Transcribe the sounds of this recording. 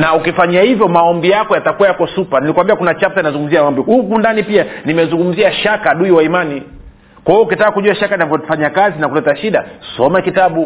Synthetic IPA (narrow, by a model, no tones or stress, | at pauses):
naukifaɲiahivjɔmaɔmbijakɔjatakuwajakɔsupanilikwambiakunat͡ʃap̚taninazuŋɡum̩ziamaɔmbiukundanipianimɛzuŋɡum̩ziaʃakaɗuiwaimani | kwajɔukitakakuʄuaʃakaninavɔfaɲakazinakulɛtaʃiɗasɔmɛkitaɓu